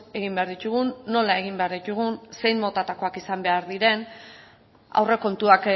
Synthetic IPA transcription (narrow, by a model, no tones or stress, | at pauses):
e̞ɣimbe̞aɾðit̪uɣunːo̞lae̞ɣ̞imbe̞aɾðit̪uɣ̞unse̞jmot̪at̪ako̞akisambe̞aɾðiɾe̞n | a̰wre̞ko̞nt̪uak